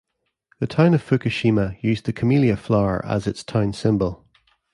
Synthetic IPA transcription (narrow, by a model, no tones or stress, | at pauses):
ðətʰãʊ̃nəv̥fʉkəʃiməjʉːzðəkʰəmilˠiəflˠaʊə̰˞ʔə̰zɪtstʰãʊ̃nsɪ̃mbəlˠ